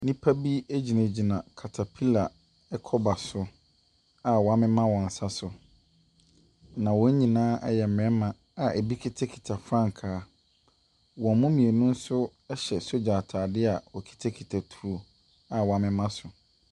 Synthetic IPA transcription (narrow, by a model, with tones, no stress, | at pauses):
nĩ˦pʰa˦bi˦e˦d͡ʑi˨nẽ˨d͡ʑi˨nã˨kʰa˨tʰa˨pʰi˦la˨ | ɛ˦kʰɔ˦ba˨sʊ˨ | a˨wɔ˨a˦mɪ̃˦mã˦wɔ̃˨n̩˨sa˦sʊ˨ | nã˨wɔ̃˨˦ɲ̩˦ɲĩ˨nãː˦ʔɛ̰˦jɛ˨m̩˨m˨ɛ̃˦mã˨ | a˨ɛ˨bi˦kʰi˦tʰa˦kʰi̥˨tʰa˨fɾã˦˨ŋ˨kʰaː˨˦ | wɔ̃˨mʊ̃˦mĩ˨e˨nʊ̃˦n̩˦sʊ˦ɛ˦ɕɛ˨so˦d͡ʑaː˨tʰaː˨dɪ˦a˨wɔ˨kʰi̥˨tʰa˦kʰi˨tʰa˨tʰu˨ɾo˨ | a˨wɔ˨a˦mɪ̃˦mã˦sʊ˨